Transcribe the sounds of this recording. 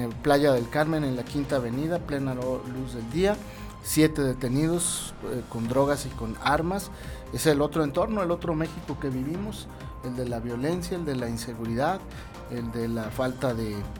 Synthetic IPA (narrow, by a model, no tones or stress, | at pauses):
plaʝaðe̞lkaɾmẽ̞ne̞nlakint̪aːβe̞niðaple̞naluzðe̞ld̪ia | sje̞t̪e̞ðe̞t̪e̞nið̞o̞s | ko̞nd̪ɾo̞ɣ̞asiko̞naɾmas | eselo̞t̪ɾoe̞nt̪o̞ɾno̞e̞lo̞t̪ɾo̞me̞xiko̞ke̞βiβ̞imo̞s | e̞ld̪e̞laβjo̞le̞nsjaeld̪e̞lainse̞ɣuɾiðað | eld̪e̞lafalt̪aðe̞